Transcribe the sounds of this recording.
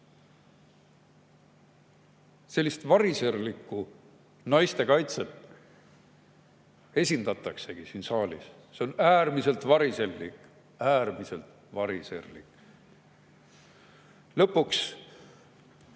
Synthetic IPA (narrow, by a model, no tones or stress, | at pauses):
se̞lʲːist̪vɑɾiseɾlikːu | nɑjst̪e̞kɑjt̪set̪ | e̞sʲind̪̥ɑt̪ːˑɑkse̞ɡ̥isiːnsɑːlʲḭs | seonæːrmise̞lt̪vɑɾiserːik | æːrmise̞lt̪ | vɑɾisḛrlḭk | lɤpːuks